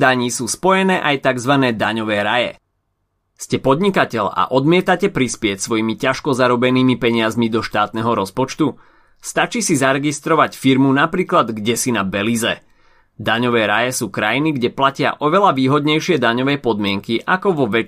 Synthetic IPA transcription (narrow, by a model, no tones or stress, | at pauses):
d̪aɲiːsuːspɔjɛnɛːʔajt̪aɡzʋanɛːd̪aɲɔʋɛːɾajɛ̰ | scɛpɔd̪ɲikacɛʎa̰ʔɔd̪mɪɛt̪acɛpɾispɪɛcsʋɔjimicaʃkɔzaɾɔbɛniːmipɛɲɪazmid̪ɔʃt̪aːt̪nɛɦɔɾɔspɔt͡ʃt̪u | st̪at͡ʃiːsizaɾɛɡist̪ɾɔʋacfiɾmunapɾiːklad̪ɡɟɛsinabɛlizɛ | d̪aɲɔʋɛːɾajɛsuːkɾajiniɡɟɛplacɪa̰ʔɔʋɛlaʋiːɦɔd̪ɲɛjʃɪɛd̪aɲɔʋɛːpɔd̪mɪɛŋkiʔakɔʋɔʋɛ